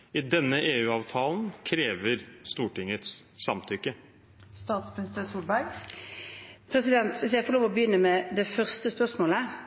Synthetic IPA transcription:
ɪd̪ɛnːəʔeːʉːɑːʋt̪ʰɑːln̩kʰɾeːʋəɾst̪uːʈɪŋːət̪ssɑmt̪ʰʏkːə | st̪ɑːt̪smnɪst̪əsuːlbæɾɡ | pʰɾɛsɪd̪ɛnt̪ʋɪsjæɪfɔʁloːʋɔbəjʏnːəmɛd̪ɛfœʁst̪əspœʁʂmoːlə

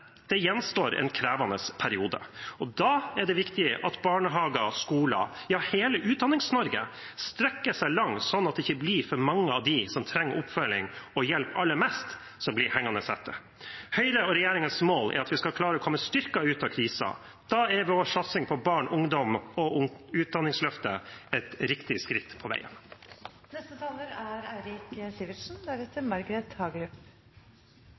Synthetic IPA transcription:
d̪̥ɛjɛnːst̪oːɾɛ̰nkʰɾæːʋɑnəspʰæɾɪuːd̪ə̰ɔd̪ɑːæɖɛʋɪkt̪ɪəʔɑt̪bɑːɳəɦɑːɡɑskuːlɑ̰jɑːheːləʔʉːt̪̚d̪ɑnːɪŋsnɔɾɡə | st̪ɾɛkːəʂæɪlɑŋsɔnːɑt̪d̪ɛɪçəbliːfɔɾmɑŋːəɑʋd̪ɪsɔmt̪ʰɾɛŋːəʔʊpfœlɪ̰ŋɔjɛlpɑlːəmɛst̪ | sɔmblɪɾhɛŋːɑnəsɛt̪ːə | hœʏɾəɔɾɛjeːɾɪŋənsmoːlʔɛ̰ɾɑt̪ʋɪskɑlkʰlɑːɾəɔːkʰɔmːəst̪ʏɾkɑʉːt̪ɑkʰɾiːsɑ̰ | d̪̥ɑæɾʋoːʂɑt̪sɪŋpʰɔbɑːɳʔʊŋd̪ɔmɔʊʉːt̪̚d̪ɑnːɪŋslœft̪əɛt̪ɾɪkt̪ɪskɾɪt̪ːpʰɔʋæ̰ɪə̰n | nɛst̪ət̪ʰɑːləɾæɾæɪɾɪksɪːʋəʂn̩d̪æɾɛt̪ːəɾmɑɾɡəɾɛt̪hɑːɡɾʉp

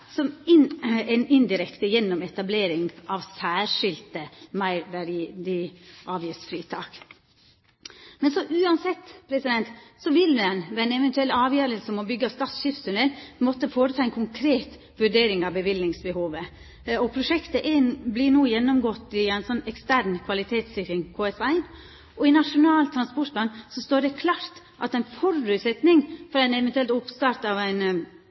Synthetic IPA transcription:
sɔmɪnɛnɪnd̪ɪɾɛkt̪əjɛnːɔmɛt̪ɑbleːɾɪŋʔɑʋsæːʂɪlt̪əmæɪɾʋæɾd̪ɪʔɑːʋjɪsfɾiːt̪ʰɑːk | mɛnsɔʔʉːɑnsɛt̪ːpʰɾɛsɪd̪ɛnt̪sɔʋɪlɛnʋɛæɪnɛʋɛnt̪ʉɛlɑːʋjœːɾəlsəmɔbʏɡːəɑst̪ɑːt̪sʃɪfsʉnɛlmɔt̪ːəfoːɾət̪ʰɑːɛnkʰʊŋkʰɾeːt̪ | ʋʉɖeːɾɪŋɑʋbəʋɪlnɪŋsbəhuːʋə | ɔpʰɾʊʂɛkt̪əʔɛblɪnuːjɛnːɔmɡɔt̪ːɪæɪnsɔnːɛkst̪æɾnkʰʋɑlɪt̪ʰeːt̪sɪkɾɪŋkʰoːɛsæɪ | ʔɔɪnɑʂʊnɑːlt̪ʰɾɑnspɔʈ̚blɑnsɔst̪oːɖɛkʰlɑːɾt̪ | ʔɑt̪æɪnfɔɾʉːt̪sɛt̪nɪŋfɔɾɛɪnɛʋɛnt̪ʉɛlt̪ʊpst̪ɑɾt̪ɑʋæɪn

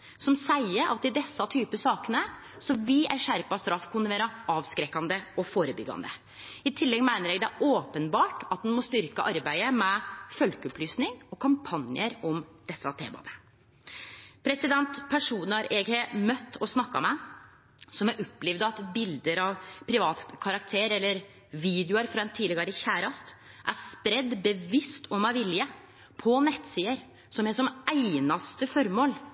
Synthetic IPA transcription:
sɔmsæɪəʔɑt̪ɪd̪ɛsːɑt̪ʰyːpəsɑːkənə | sɔmʋɪʔæɾʂæɾpɑst̪ɾɑfːkʰʊnɪʋeːɾɑʔɑːʋskɾɛkːɑnd̪əɔfoːɾəbʏ̰ɡːɑ̰nd̪ə̰ | ɪt̪ʰɪlːɛɡmæɪnəɾɛːɡd̪ɛæʔoːpənbɑːʈɑt̪̚d̪ɛnmɔst̪ʏɾkəʔɑɾbæɪəmɛfœlkəɔplyːsnɪŋɔkʰɑmpʰɑnjəɾɔmd̪̥ɛsːɑt̪ʰḛːmɑ̰d̪ə | pʰɾɛsɪd̪ɛnt̪pʰæʂuːnɑɾʔɛɡheːmœt̪ːɔsnɑkːɑ̰mɛ | sɔmæɾʔɔpːlɛʋd̪ɑt̪bɪld̪əɾɑʋpʰɾɪʋɑːt̪kʰɑɾɑkt̪ʰeːɾɛlːəɾ | ʋiːd̪jʊəɾfɾɑɛnt̪ʰiːlɪɡəɾəçæːɾɑst̪ | ʔæspɾɛd̪ːbəʋɪst̪ʰɔmæʋɪljə | pʰɔnɛt̪ːsiːəɾ | sɔmɛʂɔmæɪnɑst̪əfɔɾmoːl

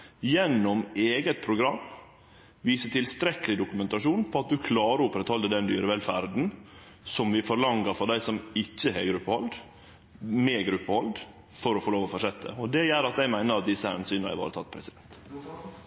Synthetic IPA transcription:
jɛnːɔmeːɡət̪̚pʰɾʊɡɾɑmː | ʋiːsəʈ̪ʰɪlst̪ɾɛkəlɪd̪ʊkʉmɛnt̪ɑʂuːnpʰɔɑt̪̚d̪ʉkʰlɑːɾəʊpɾɛt̪ʰhɔləd̪ɛnd̪yːɾəʋɛlfæɾd̪n̩ | sɔmʋɪfɔɾlɑŋəɾfɔɾɖ̪æɪsɔmɪçːəɦɛ̰ɡɾʉpːəhɔld̪ | meːɡɾʉpːəhɔld̪ | fɔɾɔfoːloːʋɔfɔʂɛt̪ʰːə̰ɔd̪ɛjæːɾɑt̪ɛɪmæɪnəɾɑt̪̚d̪ɪsːəhæ̰ːnsyːnəhæ̰ʋɑ̰ːɾət̪ʰɑt̪̚ːpʰɾɛsɪd̪ɛnt̪

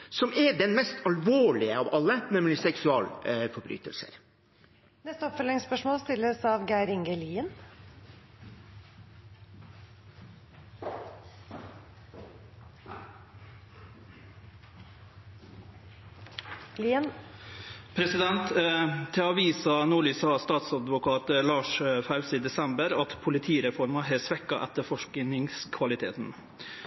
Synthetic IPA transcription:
sɔmɛɖ̪ɛnmɛst̪ʰɑlʋoːɭɪəɑʋɑlːənɛmlɪsɛksʉɑːlfɔɾbɾy̰ːt̪ʰə̰lsə̰ɾ | nɛst̪əɔpfœlɪŋspœʂmoːlst̪ɪlːəsɑʋɡæɪɾɪŋɡəliːən | pʰɾɛsɪd̪ɛnt̪t̪ʰːɪɑːʋiːsɑnuːɭyːsɑst̪ɑːt̪sɑd̪ʋʊkʰɑːt̪əlɑːʂfɑʉsiːd̪ɛsɛmbəɾɑt̪pʰʊlɪt̪ʰiːɾɛfɔɾmɑɦeːsʋɛkːɑʔɛt̪əfɔʂknɪŋskʰʋɑlɪt̪ʰḛːt̪n̩

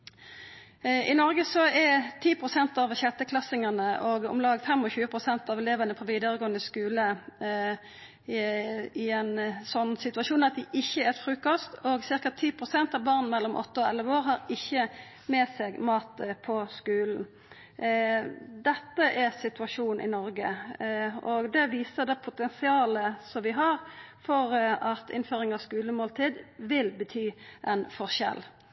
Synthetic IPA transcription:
ʔɪnɔʁɡəsɔɛɾt̪ʰiːpʰʁʊsɛnt̪ɑʋçɛt̪ːəkʰlɑsɪŋɑnəʔɔɡɔ̰mlɑːɡfɛmɔçʉːəpʰʁʊsɛnt̪ɑʋɛleːʋənəpʰɔʋiːd̪əʁəɡoːənəskʉːlə | ɪɛnsɔnːsɪt̪ʉɑʃuːnɑt̪̚d̪ɪʔɪçːəɛt̪fɾʉːkɔst̪ɔɡsɪʁkɑt̪ʰːiːpʰʁʊsɛnt̪ɑʋbɑʁnn̩mɛlːɔmʔɔ̰t̪ːəɔɛlʋoːɾɦɑʁɪçːə | meːseːɡmɑːt̪pʰɔskʉːln̩ | d̪ɛt̪ːəʔæsɪt̪ʉɑʂuːnn̩ʔɪ̰nɔɾɡə | ɔɡd̪ɛʋiːsəʁd̪ɛpʰʊt̪ɛnsɪɑːləsɔmʋɪɦɑɾfɔʁɑt̪ʰɪ̰nføːɾɪŋɑʋskʉːləmoːlt̪ʰiːd̪ʋɪlbət̪ʰyːʔɛnfɔʁɕɛ̰l

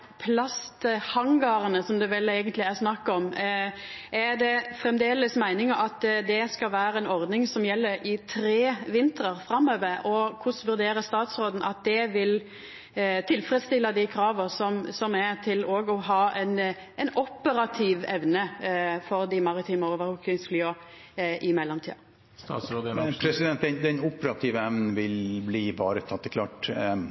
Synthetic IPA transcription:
pʰlɑst̪hɑŋɡɑɾənəsɔmd̪ɛʋɛleːɡənt̪lɪæʁsnɑkːɔm | ʔæd̪ɛfɾɛmd̪eːləsmæɪnɪŋɑʔɑt̪d̪ɛskɑlʋæːɾəɛnɔʁd̪nɪŋsɔmjɛlːəɾɪt̪ʰɾeːʋɪnt̪əʁəɾfɾɑmːøːʋəɾɔkʰʊsʋʉɾd̪eːɾəst̪ɑːt̪sɾoːd̪n̩ʔɑt̪̚d̪ɛʋɪl | t̪ʰɪlfɾət̪st̪ɪlːɑd̪ɪkʰɾɑːʋəsɔmsɔmæt̪ʰɪloːɡɔɦɑːɛnɛnɔpːəɾɑt̪ʰiːʋɛʋnəfɔɾd̪ɪmɑɾɪt̪ʰiːməɔʋəɾʊkːɪŋsflyːɑ | ʔɪmɛlːɔmt̪ʰḭːɑ | opʰɾɛsɪd̪ɛnt̪d̪ɛnd̪ɛnʊpəɾɑt̪ʰiːʋəɛʋnn̩ʋɪlbliːbɑ̰ːɾət̪ʰɑt̪ːɛkʰlɑːʈɛ

